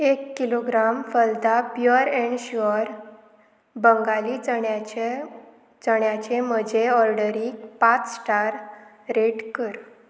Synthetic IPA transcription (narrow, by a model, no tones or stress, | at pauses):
ekːiloɡɾamfəld̪apjuɾeɳɕuɾ | bəŋɡali | t͡səɳjat͡ɕem̤əd͡ʑeɔɾɖəɾikpat͡ssʈaɾ | ɾeʈkəɾ